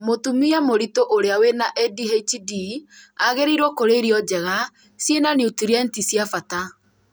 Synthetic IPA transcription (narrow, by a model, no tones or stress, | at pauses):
motumiamoɾitoʔoɾeawenaʔɛdiɦet͡ʃidiaɣeɾeiɾwɔkoɾeɾiɔd͡ʒɛɣa | sjenaniutiɾiɛntisjafata